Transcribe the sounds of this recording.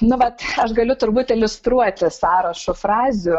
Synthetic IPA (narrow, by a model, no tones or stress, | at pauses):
nʊʋɐt̪ɐʃɡɐlʲʊt̪ʊɾbuːt̪ʲɪlʲʊst̪ɾuɔt̪ʲɪsɑːɾɐʃʊfrɑːzʲɪuː